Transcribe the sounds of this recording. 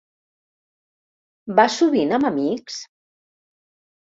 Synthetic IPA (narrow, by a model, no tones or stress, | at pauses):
basuβinəməmiks